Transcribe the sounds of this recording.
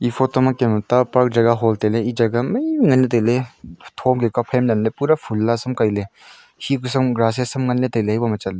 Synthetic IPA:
ipʰotɔmakematapaɾk̚d͡ʒɐɡaɦɔlteleid͡ʒaɡamɐjmiŋɐnːetajletʰomɡekapʰemnɐnlepuɾapʰulːasɐmkajle | hikusɐmɡɾas̬esɐmŋɐnːetajleɦajbamɐt͡ʃale

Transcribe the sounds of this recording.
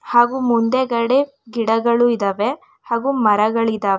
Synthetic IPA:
haːɡuːmund̪eɡɐɽe | ɡiɽɐɡɐɭuid̪ɐːʋe | haːɡumɐɾɐɡɐɭid̪aːʋe

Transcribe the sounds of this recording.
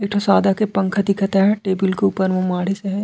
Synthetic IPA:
eːk̚ʈ̪ʰosaːd̪akepɐ̃ŋkʰəd̪ɪkʰət̪ɦɛʈeːbɪlkeupəɾʋõmaːɽiseɦɛ̃

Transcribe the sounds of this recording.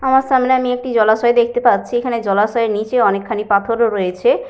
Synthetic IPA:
amaɾʃamleamiek̚ʈid͡ʑɔlaʃɔed̪ekʰt̪epat̪ːɕʰiekʰaned͡ʑɔlaʃɔeɾnit͡ɕeɔnekʰːanipat̪ʰoɾoɾojet͡ɕʰe

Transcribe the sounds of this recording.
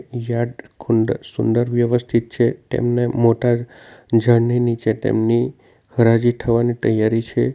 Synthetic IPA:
jaɖkʰuɳɖ̪sund̪əɾʋjəʋəst̪ʰit̪̚t͡ʃʰet̪ḛmnemoʈa | d͡ʒʱəɳninit͡ʃet̪ḛmni | həɾad͡ʒit̪ʰəʋanit̪əjaɾit͡ʃʰe

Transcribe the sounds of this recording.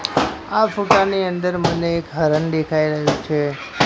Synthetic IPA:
afuʈaniənd̪əɾməneːkɦəɾənd̪ekʰaiɾəɦjũt͡ʃʰe

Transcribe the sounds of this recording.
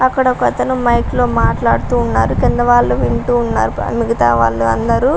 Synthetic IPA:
ɐkːɐɽɐkɐt̪ɐnumɐjklo̞ːmaːʈlaːɽut̪uːnːa̰ːɾukind̪ɐʋaːɭːuʋiɳʈuːnːa̰ːɾumiɡɐt̪a̰ːʋa̰ːɭːuɐ̰nd̪ɐɾu

